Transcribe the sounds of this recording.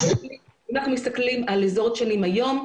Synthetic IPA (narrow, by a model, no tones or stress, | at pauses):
i | anaχnumist̪aklimalezo̞t̪ʃanimajo̞m